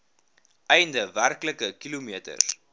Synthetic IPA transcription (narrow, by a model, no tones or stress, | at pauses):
ʔɛjndəværkləkəkilumiətə̰r